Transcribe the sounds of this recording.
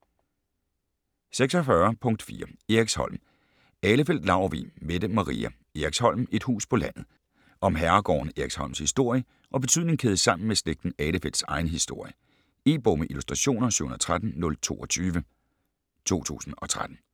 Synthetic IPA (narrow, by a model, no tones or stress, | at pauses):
seɡ̥sɒfɶɐpʰɔ̽ŋd̥fḭːɐeɐiɡ̥shɒ̽l̰m | ɛːləfel̰d̥lɑ̈ʊʋḭmed̥əmɑ̈ʁḭːæ | eɐɐɡ̥shɒ̽l̰me̝d̥hṵːspʰɒ̽læn̰ð̩ˠ | ʔɒ̽mɦæɐɡ̥ɒ̰ːnəeɐɡ̥shɒ̽l̰mshisd̥o̝ɐ̰jə | ʔɒ̽b̥e̝t͡sʰyð̰ˠne̝ŋkʰeːðˠəsɑ̈m̰n̩mesleɡ̥̚d̥n̩ɛːləfel̰d̥sɑ̈ɪnəɦisd̥o̝ɐ̰jə | e̝̰ːb̥omeʔilusd̥ʁɑɕo̝̰ːnɐsy̰n̩ˠɐt͡sʰʁad̥n̩nɔ̽lt͡sʰo̝̰ːɒ̽t͡sʰyːʋə | t͡sʰo̝̰ːt͡sʰṵːsn̩ɒ̽t͡sʰʁad̥n̩